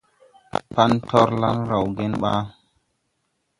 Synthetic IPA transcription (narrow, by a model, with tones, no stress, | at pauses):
pa˦ntʰɔ˦ɾla̰˦nɾa˨wɡe˦nɓa̰˦